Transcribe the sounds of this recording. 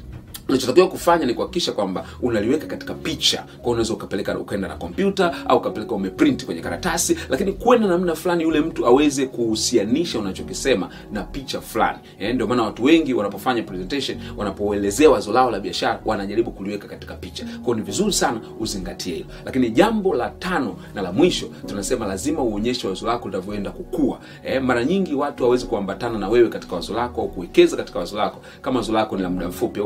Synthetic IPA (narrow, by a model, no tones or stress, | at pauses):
unat͡ʃɔtakiwakufaɲanikuhakikiʃakwamba | unaliwɛkakati̥kapit͡ʃa̰kwajɔunawɛzaukapɛlɛkaṵkaɛndana̰kɔmpjutaa̰uukapɛlɛkaumɛpɾintikwɛɲɛkaɾatasilʔakinikwɛndanam̩ɗafulanijulɛm̩tuawɛzɛkuhusianiʃaunat͡ʃɔkisɛma | napit͡ʃafla̰ni | ɛndiɔmaːnawatuwɛŋɡiwanapɔfaɲapɾɛzɛntaʃɔnwanapɔɛlɛzɛawazɔlaɔlaɓiaʃaɾawʔanaʄaɾiɓukuliwɛkakati̥kapit͡ʃḁkwajɔnivizuɾisana | uziŋɡatʰiɛhilɔlakiniʄambɔlatanɔ | nalamwiʃɔtunasɛmalazimauɔɲɛʃɛwazɔlakɔlinavjɔɛndakukua̰ | ɛmaɾaɲiŋɡiwatuhawɛzikuambatananawɛwɛkati̥kawazɔlakɔaukuwɛkɛzakatikawazɔlakɔ̥ | kamaazɔlakɔnilamuɗam̩fupia